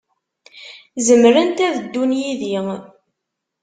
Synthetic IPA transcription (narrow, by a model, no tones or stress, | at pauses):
zəmɾənt̪æðəd̪ːunjiði